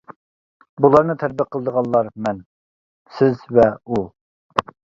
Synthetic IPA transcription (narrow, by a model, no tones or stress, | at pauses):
bulˠɑɾnɨt̪ʰæɾ̚bɪqʰəlˠd̪əʁɑnˠlːˠɑɾmɛn | sɪzvɛu